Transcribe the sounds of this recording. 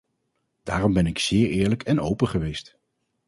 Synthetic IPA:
d̥aːrɔmbɛnɪksɪːɹɪːɹləkʰɛnowpəχəʋejst

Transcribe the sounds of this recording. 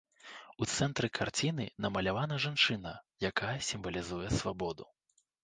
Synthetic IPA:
ut̪sɛnt̪ɾɨkʰart͡sʲinɨnɐmɐlʲavanɐʐant͡ʂɨnɐjakajɐsʲimvɐlʲizujɛsvabɔd̪u

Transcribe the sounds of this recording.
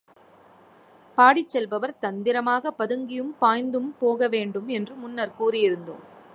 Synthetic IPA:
paːɽɪt͡ʃːɛlʋɐʋɐɾt̪ɐnd̪ɪɾɐmaːɣɐpːɐðɯŋɡɪjɯmpaːjnd̪ɯmpoːɣɐʋeːɳɖɯmɛndrɯmʊnːɐɾkuːrɪjɪɾɯnd̪ɯ̰m

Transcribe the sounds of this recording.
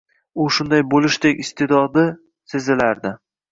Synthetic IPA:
ʊʃʊnd̪ajbolɪʃt̪ekʲɪst̪ʰed̪ɒd̪ɪ | se̞zɪlaɾd̪ɪ

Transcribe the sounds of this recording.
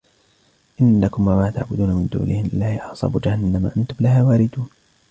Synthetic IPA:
ʔɪnːakʊmwamaːt̪a̰ʕbʊd̪uːnamɪnd̪ṵːlʔɪhɪlɪlːaːhɪʔɑʕsˤɑ̰ːbud͡ʒahanːamaʔant̪ʊmlahaːwaːɾɪd̪uːn

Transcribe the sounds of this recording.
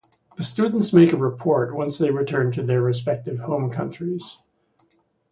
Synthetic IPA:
ðɨstʉdⁿn̩tsmeɪkɨɹɨpʰɔɹt̚wʌ̃nsðeɪɹɨtʰɜ̃˞ntʰɨðə˞ɹɨspɛk̚tɨv̥hõʊ̃mkʰʌ̰̃nt͡ʃɹ̥iz̥

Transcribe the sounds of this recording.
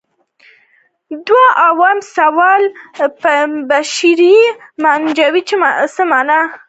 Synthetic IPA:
d̪waʔawɑmsawɑlpbaʃɾimand͡ʒawit͡ʃesəmana

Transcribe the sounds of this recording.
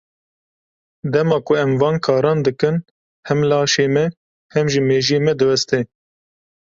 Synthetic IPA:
d̪ɛmɑːkʊɛmvɑːnkʰɑːɾɑːnd̪ɨkɨn | hɛmlɑːʃeːmɛ | hɛmʒɨmeːʒeːmɛd̪ɨwɛst̪ɛ

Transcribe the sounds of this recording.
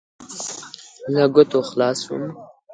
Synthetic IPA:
laɡʊt̪oxlɑːsṵm

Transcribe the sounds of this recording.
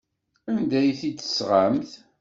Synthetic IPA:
ænd̪æjθid̪ə̥sʁamθ

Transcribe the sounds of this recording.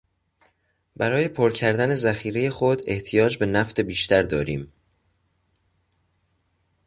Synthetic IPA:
bæɾɒːje̞pʰoɾcʰæɾd̪æne̞zæxiːɾe̞je̞xod̪e̞ht̪ʰijɒːd͡ʒbe̞næft̪e̞biːʃt̪ʰæɾd̪ɒ̰ːɾiːm

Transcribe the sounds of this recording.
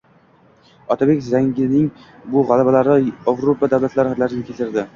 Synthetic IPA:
ɒt̪ʰabe̞kʲzaŋɡʲɪnɪŋbʊʁalˠabalaɾɪavɾopad̪awlat̪laɾhaɾlaɾɪnɪkʲʰelt̪ɪɾd̪ɪ

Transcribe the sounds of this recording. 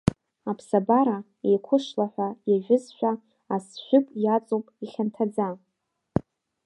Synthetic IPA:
apʰsabaɾa | ejkʷʰʊʂlaħʷᶣajaʒᶣʷɪzʃʷᶣaː | sʃʷᶣʏpʼjat͡sʼopʼiχʲantʰad͡za

